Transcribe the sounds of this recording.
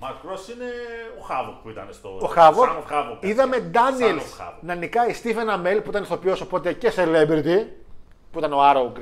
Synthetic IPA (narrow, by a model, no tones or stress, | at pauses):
mɐkɾosineoxɐvokpuit̪ɐ̰nest̪ooxɐvokɐvoiðɐme̞d̪ɐnielsɐ̰nɐnikɐist̪ifeenɐmelpuit̪ɐnest̪opiosopot̪e̞ceselebeɾt̪i | puit̪ɐnoɐɾouɡɾ